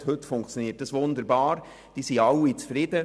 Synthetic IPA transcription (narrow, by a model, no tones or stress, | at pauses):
høt̪fʊŋkt͡sjoniːt̚d̥ɑsʋʊnd̪əɾbɑːɾ | d̥iːsiɑwit͡sfɾɪd̥̪ə